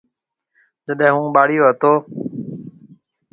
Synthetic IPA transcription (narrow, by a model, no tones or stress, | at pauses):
d͡ʒəɗɦɦũːɓaːɽɪjoːɦət̪oː